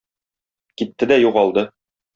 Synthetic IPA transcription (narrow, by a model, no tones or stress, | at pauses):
kit̪ːɘd̪æjuʁɑlˠd̪ɤ